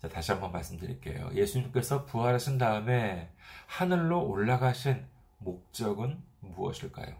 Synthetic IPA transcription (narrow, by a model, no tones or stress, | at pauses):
t͡ɕataɕʰiɦambʌnmaɭs͈ɯmdɯɾḭk͈e̞̰jo̰je̞sʰuɲimk͈e̞sʰʌpuɦaɾɦaɕʰindaɯme̞hanɯɭːooɭːaɡaɕʰin | mok̚t͡ɕ͈ʌɡɯnmuʌ̰ɕʰiɭk͈a̰jo̰